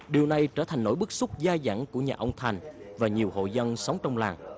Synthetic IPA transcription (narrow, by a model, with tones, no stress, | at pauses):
ɗi˨˩əwna˨˩jt͡ɕəː˧˩t̪ʰa˨˩ŋ̟no̰˧˥jɓɨ˦˥k̚sʊ˦˥k͡p̚zaː˧za̰ː˧˩ŋku˧˩əɲa̰ː˨˩ʔə˧wŋ͡mt̪ʰa˨˩jŋ̟ | vaː˨˩ɲi˨˩əwɦo̰˧˨jzə˧nsə˨˦wŋ͡mt͡ɕɔ˧wŋ͡mlaː˨˩ŋ